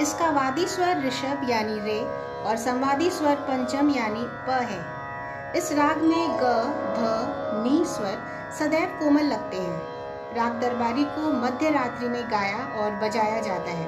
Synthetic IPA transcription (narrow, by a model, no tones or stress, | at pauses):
ɪskaʋaːd̪iswəɾːɪʃəbjaːniɾeː | ɔːɾsɐ̃mʋaːd̪iswəɾpɐ̃ɲt͡ʃəmjaːnipəɦɛː | ɪsɾaːɡmẽɡəd̪ʱəniːmswəɾ | sɐd̪ɛːpkoːməlːɐɡ̚t̪eɦɛ̃ː | ɾaːɡ̚d̪ɐɾbaːɾikomɐd̪ʱjəɾaːt̪ɾimẽɡaːjaʔɔːɾbɐd͡ʒaːjad͡ʒaːt̪aɦɛ̰ː